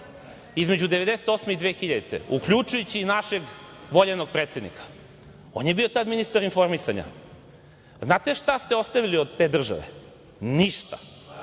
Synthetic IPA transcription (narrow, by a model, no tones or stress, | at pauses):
izmed͡ʑud̪eʋe̞d̪eset̪o̞smeid̪ʋeːxiʎad̪et̪ḛukʎut͡ʃujut͡ɕiːnaʃe̞ɡ | ʋo̞ʎenoɡ̚pɾet̪se̞d̪nḭkḁ | o̞njebiot̪ad̪minist̪aɾinfo̞ɾmisaɲa̰ | znaːt̪e̞ʃt̪ast̪eo̞st̪aʋiliod̪̚t̪ːe̞ːd̪r̩ʒa̰ʋḛ | niʃt̪a